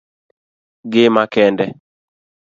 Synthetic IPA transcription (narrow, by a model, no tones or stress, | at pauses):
ɡɪmakɛndɛ